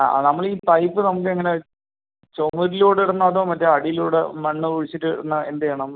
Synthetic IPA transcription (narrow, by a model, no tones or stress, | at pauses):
a̰nɐmːɐɭiːpɐjpːɨnɐmuk̬ːɨeŋːɐne̞ | t͡ɕomuɾiluːɽiɽɐnːɐːðoːmɐtːeɐɽijluːɽemɐɳːɨuɻit͡ɕːiʈːɨɽɐnːɐend̪ejeɳɐm